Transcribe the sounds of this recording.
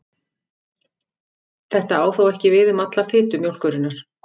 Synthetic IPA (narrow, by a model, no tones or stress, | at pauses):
θɛht̪aaːwθowɛhcɪvɪðʏmat̪lafɪːt̪ʏmjowl̥kœɾɪnːaɾ̥